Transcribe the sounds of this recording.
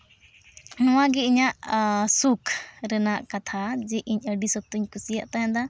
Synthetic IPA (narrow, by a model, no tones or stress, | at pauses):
nɔwãɡɛiɲaʔsukʰɾɛnaʔkat̪ʰad͡ʒɛʔiɲəɖisɔt̪uɲkusijaʔt̪ajãd̪a